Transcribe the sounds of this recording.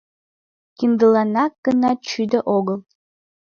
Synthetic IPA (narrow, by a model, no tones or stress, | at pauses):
kʲind̪ɨlanakːənat͡ʃʰyd̪aʔoɡəlˠ